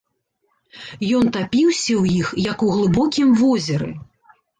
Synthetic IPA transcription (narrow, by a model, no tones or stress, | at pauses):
jɔnt̪apʲiwsʲɐwjixjɐkuɣlˠɨbɔkʲimvɔzʲɐɾɨ̰